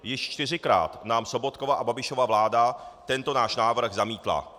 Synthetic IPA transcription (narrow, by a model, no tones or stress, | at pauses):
jɪʃt͡ʃt̪ɪrɪkɾa̰ːt̪naːmso̞bot̪̚ko̞vaʔababɪʃo̞vavlaːdat̪ɛnt̪o̞naːʃnaːvr̩ɣzamiːt̪la̰